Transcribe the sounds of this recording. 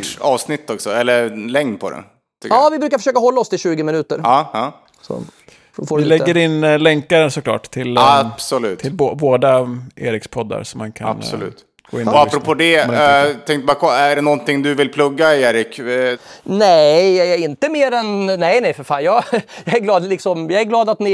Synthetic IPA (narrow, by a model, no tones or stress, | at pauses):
ɑːvsnɪt̪ːɔksɔɛlːəɾlɛŋnpʰɔd̪ɛ̰nʰ | ʏkːɑːvɪbɾʉːkaɾfœʂøːkaɦɔlːaɔst̪ɪlɕʉ̟ːɡəmɪnʉ̟ːt̪əɾɑːhɑː | sɔ̰ | foːɪlɛɡːəɾɪnːlɛŋkaɾəsɔkʰlɑ̰ːʈːt̪ʰɪlapsɔlʉ̟ːt̪ʰɪlboːboːd̪aʔḛːɾɪkspʰɔd̪ːa̰ɾsɔmːa̰nkʰa̰a̰nsɔlʉ̟̰ːt̪ | ɡ̥oːɪnapɾɔpʰoːd̪ɛt̪ʰɛŋkt̪əbakʰɔæɖɛnɔnt̪ɪŋd̪ɵvɪlpʰlɵɡːaeːɾɪk | nɛɛɪnt̪əmeːɾɛnnɛjnɛjfœɾfa̰ːnjɑːjɑːæɾɡlɑːd̪lɪksɔmjɑːɡæɡlɑːd̪at̪nɪ